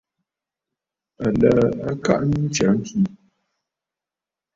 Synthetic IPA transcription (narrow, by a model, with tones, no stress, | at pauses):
a˨la˦a˦ka̰˦˨ʔni˦t͡ʃa˨˦ŋ̩˦ki˦